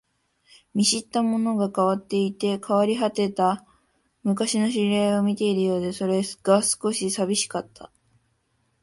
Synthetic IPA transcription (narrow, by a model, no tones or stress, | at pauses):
mʲiɕit̪ːamo̞no̞ɡakaβat̪ːe̞it̪e̞kʰaβaɾʲiɦat̪e̞t̪a | mɯ̟kaɕino̞ɕiɾeo̞mʲit̪e̞iɾɯ̟jo̞ːd̪e̞so̞ɾe̞sɡ̥asɨ̥ko̞ɕisabʲiɕi̥kat̪ʰːa̰